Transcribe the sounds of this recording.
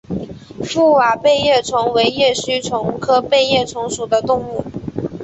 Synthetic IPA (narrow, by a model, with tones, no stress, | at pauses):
fu˥˩wa˨˩pe˥˧ɪjɛ˥˩t͡sʰʊ˧˥ŋwe˧˥ɪjɛ˥˩ɕy˥t͡sʰʊ˧˥ŋkʰɤ˥pe˥˧ɪjɛ˥˩t͡sʰʊ˧˥ŋʂu˨˩d̪ə˦t̪ʊ˥˧ŋu˥˩